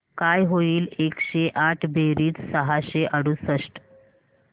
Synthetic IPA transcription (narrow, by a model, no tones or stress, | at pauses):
kajɦoiːlekɕeʔaʈʰbʱeɾiːt͡ssəɦaɕeʔəɽuːsəʂʈ